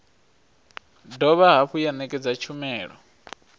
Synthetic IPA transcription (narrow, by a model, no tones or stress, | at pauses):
dɔβaɦaɸujanɛkʼɛd͡zat͡ʃʰumɛːɺɔ̰